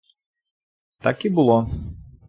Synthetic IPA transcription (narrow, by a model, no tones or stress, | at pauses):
t̪akibɨlˠɔ